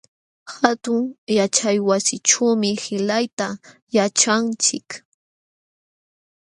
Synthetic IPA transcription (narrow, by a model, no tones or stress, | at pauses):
xat̪ʊŋjat͡ʃajwasɪʈ͡ʂawmɪhɪlajt̪a | jat͡ʃant͡ʃɪk